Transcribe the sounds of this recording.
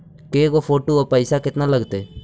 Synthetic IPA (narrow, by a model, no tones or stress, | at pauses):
keːkopʰoːʈoopəɪsakɪt̪naləɡt̪eː